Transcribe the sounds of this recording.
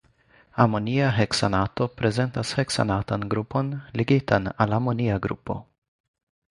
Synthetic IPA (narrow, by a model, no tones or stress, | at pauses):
amo̞niaɦeksanato̞pɾe̞ze̞ntasheksa̰natanɡɾupo̞nleɡitanalamoniaɡɾṵpo̞̰